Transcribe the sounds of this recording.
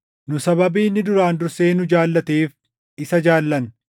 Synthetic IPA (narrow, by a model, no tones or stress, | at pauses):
nʊsɐβɐbiːnːɪd̪ʊɾaːnd̪ʊɾseːnʊd͡ʒaːlːɐt̪eːf | ɪsɐd͡ʒaːlːɐn